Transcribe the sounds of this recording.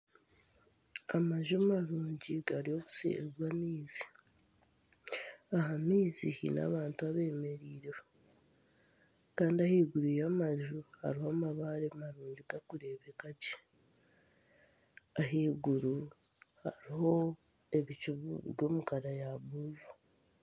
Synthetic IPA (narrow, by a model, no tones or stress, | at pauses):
amaʒumaɾuːɲɟiɡaɾijo̞ːku̥sḛzwamiːzi̥ | aɦamiːzihḭna̰ːβaːntuaβe̞ːme̞ɾiːɾe | kaːndiahiːɡuɾujamaʒuha̰ɾihomaβaɾemaɾuːɲɟiɡakuɾe̞ːβekace̥ | aɦiːɡuɾu | haɾiho̞ | e̞βit͡ʃuββjo̞ːmukaɾajaβuzu